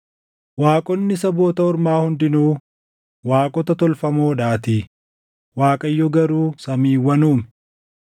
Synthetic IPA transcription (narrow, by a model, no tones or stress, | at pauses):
waːkʼɔnːɪsɐbo̞ːt̪ɐɔɾmaːhʊnd̪ɪnuː | waːkʼɔt̪ɐt̪ɔlfɐmoːᶑaːt̪iː | waːkʼɐjːɔɡɐɾuːsɐmiːwːɐnuːmɛ